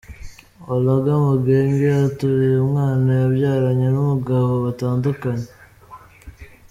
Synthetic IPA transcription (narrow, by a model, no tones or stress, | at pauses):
olaɡamuɡeːŋɡeatuɾijumŋaːnajaβjaːɾaɲenumuɡahoβataːndukaɲe